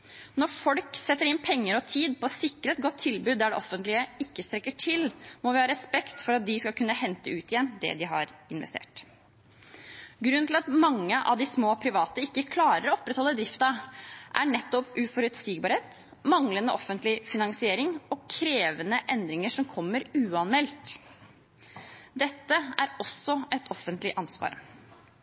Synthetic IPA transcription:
nɔɾfɔlksɛt̪ːəɾɪnpʰɛŋːəɾɔt̪ʰiːd̪̚pʰɔsɪkːɾəɛt̪̚ɡɔt̪ʰːɪlbʉːd̪ːæɖɛ̰ʔɔfːənt̪lɪəɪkːəst̪ɾɛkːəʈʰɪlmɔʋɪhɑːɾɛspɛkt̪fɔɾɑt̪̚d̪ɪskɑlkʉnːəhɛnt̪əʉːt̪ɪjɛnːd̪ɛ̰d̪ɪɦɑ̰ɾɪnʋɛ̰st̪ḛːʈ | ɡɾʉnːt̪ʰɪlɑt̪mɑŋːəʔɑ̰ʋd̪ɪsmoːpʰɾɪʋɑːt̪əɪkːəkʰlɑːɾəɾɔɔpːɾɛt̪hɔlːəd̪ɾɪft̪ɑʔæ̰ɳɛt̪ːɔpʉfɔɾʉt̪siːɡ̚bɑɾheːt̪ | mɑŋlənəʔɔfənt̪lɪfɪnɑŋsɪeːɾɪŋɔkʰɾeːʋənəʔɛnd̪ɾɪŋəʂɔmkʰɔmːəɾʉːɑnmɛlt̪ | d̪ɛt̪ːəæɾɔsɔɛt̪ʰɔfːənt̪lɪʔɑnsʋɑ̰ːɾ

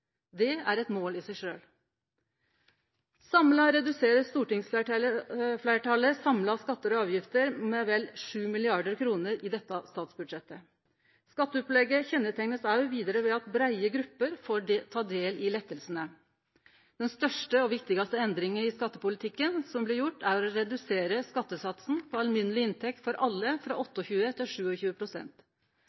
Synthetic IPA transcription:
d̪ɛæɾɛt̪moːlɪsæɪʂøːl | sɑmlɑɾɛd̪ʉseːɾəst̪uːʈɪŋsæ | flæɪʈʰɑləsɑmlɑskɑt̪ːəɾɔɑːʋjɪft̪əɾmɛʋɛlʂʉːmɪlɪɑɖəɾkʰɾuːnəɾɪd̪ɛt̪ːɑst̪ɑːt̪sbʉd̪ʂɛt̪ːə | skɑt̪ːəɔplɛɡəçɛnːət̪ʰɛŋnəsɑʉʋiːd̪əɾəʋɛɑt̪bɾæɪəɡɾʉpːəɾfoːt̪ʰɑːd̪eːlɪlɛt̪ːəlsənə | d̪̥ɛnst̪œʂʈəɔʋɪkt̪ɪɡɑst̪əɛnd̪ɾɪŋənɪskɑt̪ːəpʊlɪt̪ʰɪkːənsɔmblɪɾjʊʈːæɾɔɔɾɛd̪ʉseːɾəskɑt̪ːəsɑt̪sn̩pʰɔɑlmʏnəlɪɪnt̪ʰɛk̚t̪fɔɾʔɑlːəfɾɑ̰ːɔt̪ːəɔçʉːət̪ʰɪlʂʉːɔçʉːəpʰɾʊsɛ̰nt̪

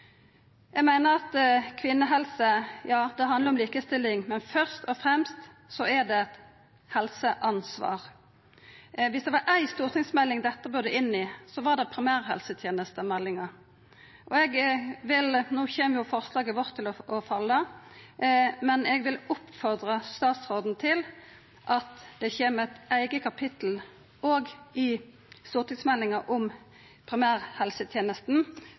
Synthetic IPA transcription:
jɛɡmæɪnəɾɑt̪kʰʋɪnːəɦɛlsəjɑːd̪ɛɦɑnd̪ləɾɔmliːkəst̪ɪlːɪŋmɛnfœʁst̪ɔfɾɛmst̪ | sɔɛɾd̪ɛɛt̪ | hɛlsəʔɑnsʋɑ̰ːʁ | ʋɪsd̪ɛʋɑɾʔæɪst̪uːɾt̪ʰɪŋsmɛlːɪŋd̪ɛt̪ːəbøːd̪ɛʔɪnːɪsɔʋɑd̪ɛpʰɾɪmæːɾhɛ̰lsət̪ʰjeːnəst̪əmɛlːɪŋɑ | ʔɔɛɡʋɪlnuːçeːmjʊfɔʁslɑːɡəʋɔʁt̪ʰːɪlɔɔfɑlːə | mɛnɛɡʋɪlʊpːfɔʁd̪ʁəst̪ɑːt̪sʁoːd̪n̩t̪ʰɪl | ʔɑt̪d̪ɛçeːmæt̪æɪɡəkʰɑpʰɪt̪l̩ | oːɡɪ | st̪uːʁt̪ɪŋsmɛlːɪŋɑʔʊm | pʰɾɪmæːɾhɛlsət̪ʰjeːnəst̪n̩

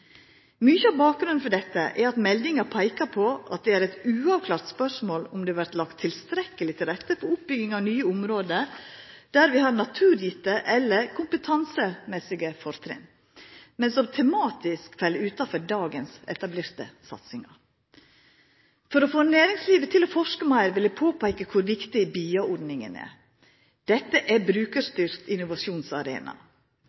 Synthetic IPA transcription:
mʏçəɑʋbɑːk̚ɡɾʉnn̩fɔɖɛt̪ːəʔɛɾɑt̪mɛld̪ɪŋɑpʰæɪkɑpʰɔʔɑ̰t̪̚d̪ɛæːɾɛt̪ʉːɑʋkʰlɑːɾt̪spœʂmoːlʊmd̪ɛːɑʋæɾt̪lɑkt̪ʰːɪlst̪ɾɛkːəlɪt̪ʰɪlɾɛt̪ːəpʰɔʊpbʏɡɪŋɑʋnyːəʊmɾoːd̪ə | d̪̥æɾʋɪhɑɾnɑt̪ʰʉːɾjɪt̪əʔɛlːəɾkʰʊmpət̪ʰɑnsəmɛsɪɡəfɔɾt̪ʰɾɛ̰n | mɛnsɔmt̪ʰɛmɑːt̪ɪskfɛlʉːt̪ɑfɔɾɖɑːɡənsɛ̰t̪ɑbleːɾt̪ə̰sɑ̰t̪sɪŋɑ̰ | fɔɾɔfoːnæːɾɪŋsliːʋət̪ʰɪlɔfɔʂkəmæɪɾʋɪlɪpʰoːpʰæɪkəkʰʊɾʋɪkt̪ɪbiːɑɔɾɖnɪŋə̰næ̰ɾ | d̪̥ɛt̪ːəʔæbɾʉːkəɾst̪ʏɾt̪ɪnʊʋɑʃuːnsɑɾḛːnɑ̰

